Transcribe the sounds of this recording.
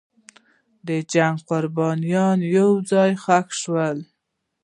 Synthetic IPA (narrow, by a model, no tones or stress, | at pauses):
d̪əd͡ʒaŋɡqʊɾbɑnijɑnjawd͡zɑjxakʃwəl